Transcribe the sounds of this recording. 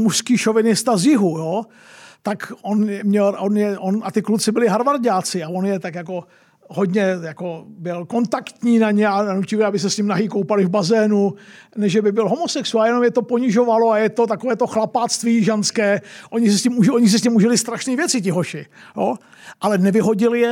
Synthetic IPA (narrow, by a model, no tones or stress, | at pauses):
muʃskiːʃovɪnɪst̪azjɪɦujo | t̪akʔonjɛmɲɛlʔonjɛʔonʔat̪ɪklut͡sɪbɪlɪɦaɾvaɾɟaːt͡sɪavo̞njɛt̪akjako̞ | ɦo̞d̪ɲɛjako̞bɪlko̞nt̪akt̪ɲiːnaɲɛananucɪvɛabɪs̬ɛsɲɪmnaɦiːkowpalɪvbazɛːnunɛʒʒɛbɪbɪlɦo̞mosɛksualjɛno̞mjɛt̪o̞po̞ɲɪʒo̞valoajɛt̪o̞t̪akovɛːt̪oxlapat͡st̪viːʒanskɛːʔoɲɪsɛscɪmuʔoɲɪs̬ɛsɲɪmuʒɪlɪst̪ɾaʃniːvjɛt͡sɪcɪɦoʃɪjoː | ʔalɛnɛvɪɦo̞ɟɪljɛ